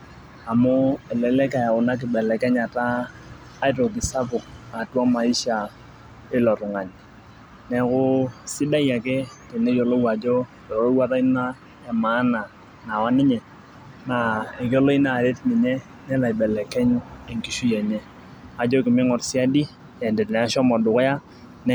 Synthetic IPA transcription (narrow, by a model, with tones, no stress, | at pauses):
a˨mʊ˦ɛ˨lɛ˨lɛ˦ka˨ja˨ʊ˨na˦k̬ɪ˨bɛ˨lɛ˨kɛ˦ɲa˨taː˦ | ɪ˦to˨kɪ˨sa˦pʊ˨k̚a˨twa˦ma˨i˦ʃa˨ | ɪ˦lɔ˨ɾʊ˨ŋa˨ɲ | nɛ˨kʊ˦sɪ˦da˦ja˨kɛ˦te˨ne˦jo˨lo˦wa˨d͡ʒo˦ | ɛ˨ɾo˦wa˦ta˦i˦na˦ | ɛ˨ma˨˦na˨ | na˨wa˦nɪ˦ɲɛ˨ | na˨e˨ko˦lo˦i˦na˨ɾe˦tni˨ɲɛ˦ | nɛ˦la˨i˨bɛ˨lɛ˨kɛ˦ɲe˨ŋki˨ʃu˦jɛ˨ɲɛ˦ | a˨d͡ʒo˦kɪ˨mɪ˦ŋɔ˨ɾsi˦a˦di˦ | ɛ˨nde˨tnɛ˨a˦ʃɔ˦mɔ˨dʊ˨kja˦ | nɛ